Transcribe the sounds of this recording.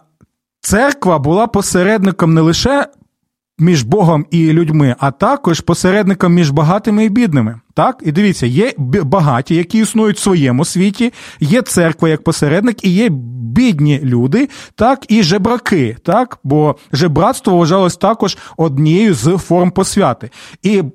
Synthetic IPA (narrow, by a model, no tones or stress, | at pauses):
t̪sɛrkʋɐbʊlˠɑpɔseɾɛd̪nɪkɐmnɛlˠɪʃɛ | mʲiʒbɔɦɔmilʲʊdʲmɪʔɐt̪ɑkɔʒpɔseɾɛd̪nɪkɐmːʲiʒbɐɦɑt̪ɪmɪibʲid̪nɪmɪt̪ɑkid̪ɪʋʲit͡sʲːɐjɛbɐɦɑtʲijɐkʲiːsnujʊtʲsʋɔjɛmʊsʲʋʲitʲijɛt̪sɛrkʋɐjɐk̚pɔseɾɛd̪nɪkijɛbʲidʲnʲilʲud̪ɪt̪ɑkiʒebɾɐkɪt̪ɑkbɔʒɛbɾɑt̪st̪ʋɔʋɐʒɑlˠɔsʲt̪ɑkɔʒɔd̪nʲijɛjʊzfɔrmpɔsʲʋʲɑt̪ɪi